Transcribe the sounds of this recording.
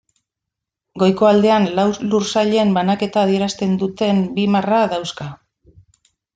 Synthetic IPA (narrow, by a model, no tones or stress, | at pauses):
ɡo̞jko̞ald̪e̞anlawlursaʎembanake̞t̪aːð̞ie̞ɾast̪e̞nd̪ut̪e̞mbimaraðawska